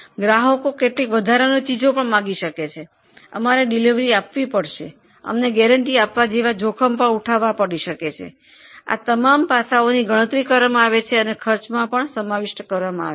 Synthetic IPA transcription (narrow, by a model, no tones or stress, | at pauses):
ɡɾaɦəkokeʈlikʋəd̪ʱaɾanot͡ʃid͡ʒopəɳmãɡiʃəket͡ʃʰe | ə̰maɾeɖiliʋɾiapʋipəɽʃe | ə̰mneɡɛɾəɳʈiapʋad͡ʒeʋad͡ʒokʰəmpəɳuʈʰaʋapəɽiʃəket͡ʃʰḛ | a̰t̪əmampasaoniɡəɽ̃ət̪ɾikəɾamãaʋet͡ʃʰeənekʰəɾt͡ʃmãpəɳsəmaʋɪʃʈkəɾʋamãa̰ʋe